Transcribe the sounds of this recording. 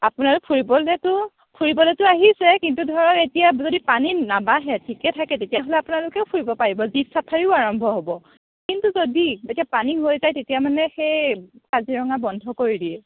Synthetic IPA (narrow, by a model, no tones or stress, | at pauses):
apʊnalʊk̚pʰuɹibɔlɛtʊ | pʰuɹibɔlɛtʊaɦisɛkintudʱɔɔɔketijazodipaninabaɦɛtʰikɛtʰakɛtetijaɦolɛapunalʊkɛʊpʰuɹibɔpaɹibɔzipsapʰaɹiʊaɹɔmbʱɔɦobɔ | kintuzodietijapaniɦojzajtetijamanɛxejkaziɹɔŋabɔndʱɔkoɹidiɛ